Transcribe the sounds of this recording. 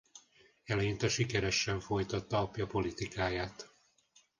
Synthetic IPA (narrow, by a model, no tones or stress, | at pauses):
ɛlɛjint̪ɛʃikɛɾɛʃːɛɱfo̞jt̪ɒt̪ːɒːpjɒpo̞lit̪ikaːjaːt̪